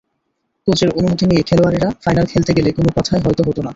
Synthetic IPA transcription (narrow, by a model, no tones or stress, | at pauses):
t̪ot͡ɕeɾonumot̪ʰinijekʰeloaɾiɾafajnalkʰelt̪eɡelekonopɔt̪ʰaeɦɔjt̪oɦot̪ona